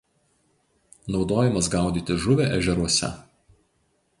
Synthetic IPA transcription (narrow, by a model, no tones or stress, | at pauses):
nɒʊd̪oːjɛmɐsɡɑˑʊd̪ʲiːt̪ʲɪʒʊʋʲeˑʔɛʒʲɛɾuɔsʲɛ̰